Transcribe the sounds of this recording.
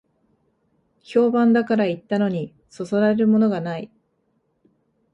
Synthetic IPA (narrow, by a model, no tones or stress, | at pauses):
çʲo̞ːbãnd̪akaɾait̪ːano̞ɲ̟i | so̞so̞ɾaɾe̞ɾɯ̟mo̞no̞ɡanai